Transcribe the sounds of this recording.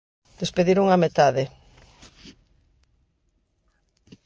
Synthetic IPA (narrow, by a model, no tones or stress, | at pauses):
d̪espeðiɾuŋamet̪aðɪ